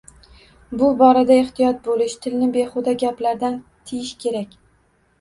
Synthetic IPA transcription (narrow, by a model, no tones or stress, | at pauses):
bʊbɒɾad̪aɪχt̪ʰɪjɒt̪̚bolɪʃt̪ʰɪlnɪbeχʊd̪aɡʲaplaɾd̪ant̪ʰɪjɪʃkʲʰe̞ɾakʲ